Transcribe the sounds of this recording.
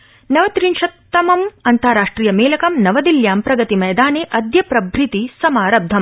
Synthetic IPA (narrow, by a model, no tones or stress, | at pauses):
nɐʋɐt̪ɾinʃɐt̪ːɐmɐmɐnt̪aːɾaːʂʈɾiːjɐmeːlɐkɐmnɐʋɐd̪iljaːmpɾɐɡɐt̪imɐjd̪aːneːʔɐd̪jɐpɾɐbʱɾit̪isɐmaːɾɐb̚d̪ʱːɐm